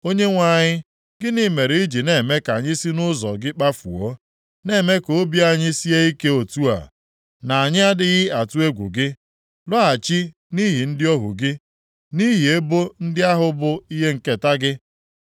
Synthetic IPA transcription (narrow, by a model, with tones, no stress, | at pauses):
o˦ɲe˦ŋʷa˨ɲɪ˦ | ɡɪ˦ni˦me˨ɾe˨i˦d͡ʒi˨ne˨me˦ka˨ɲɪ˦si˦nʊ˦zɔ̰˨ɡɪ˦k͡pa˦fṵ˨ɔ˦ | ne˦˨me˦ko˦bi˦a˦ɲɪ˦si˦e˦i˦ke˦o˨tu˦a̰˨ | na˨a˨ɲɪ˦a˦dɪ˦ɣɪ˦a˨tu˦e˦ɡʷṵ˨ɡɪ˦ | lɔ˦a˨t͡ʃi˦ | ni˦ɦi˨n̩˦dɪ˦ɔ˦ɦʊ̰˨ɡɪ˦ | ni˦ɦi˨e˦bo˦n̩˦dɪ˦a˦ɦʊ˦bʊ˨i˦ɦe˦ŋ̩˨ke˨ta˦ɡɪ˦